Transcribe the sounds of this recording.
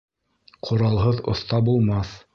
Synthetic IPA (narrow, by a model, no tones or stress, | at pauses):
qʰŏɾɑlˠɦɤðŏ̰θt̪ɑbulˠmɑθ